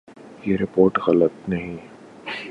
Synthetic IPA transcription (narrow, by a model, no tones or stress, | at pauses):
jeɾɪpoːɾʈɣɐlət̪nɐɦĩ